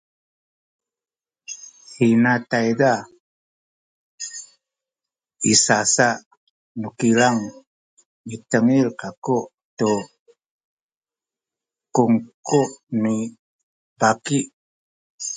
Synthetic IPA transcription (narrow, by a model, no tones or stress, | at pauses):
hinatajda | isasaʔ | nukiɾaŋ | mitəŋiɾkakuʔ | to | kuŋkuʔni | bakiʔ